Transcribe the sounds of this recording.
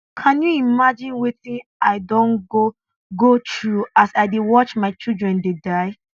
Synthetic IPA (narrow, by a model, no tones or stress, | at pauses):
kʰãnjuimad͡ʒĩnwiθĩnaɪdõnɡo | ɡotɹuasaɪdewɔt͡ʃmaɪt͡ʃildɹɛ̃ndedaɪ